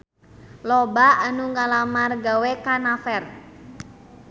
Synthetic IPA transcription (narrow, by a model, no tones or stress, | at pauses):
lɔbaanuŋalamarɡawekanafɛr